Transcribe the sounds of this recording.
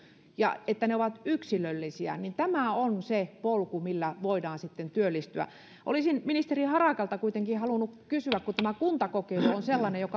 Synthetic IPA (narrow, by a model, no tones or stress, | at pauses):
jɑ̰et̪ːæneoʋɑt̪yksilølːisiæ̰nint̪æmæˑonsepolkumilːæʋoidɑːnsit̪ːent̪yølːist̪yæ̰ | ʔo̰lisinminist̪erihɑrɑˑkɑlt̪ɑkuit̪eŋkihɑlunːukkysyækkut̪æmækunt̪ɑkokeiluonselːɑnejokɑ